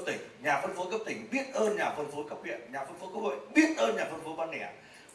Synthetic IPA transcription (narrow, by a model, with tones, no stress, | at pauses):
t̪ï˧˩ŋ̟ɲaː˨˩fə˧nfo˨˦kə˦˥p̚t̪ï˧˩ŋ̟ɓi˦˥ət̚ʔəː˧nɲaː˨˩fə˧nfo˨˦kə˦˥p̚hḭ˧˨ənɲaː˨˩fə˧nfo˨˦ku˦˥k̚ʰo̰˧˨jɓi˦˥ət̚ʔəː˧nɲaː˨˩fə˧nfo˨˦ɓaː˧nnɛ˧˩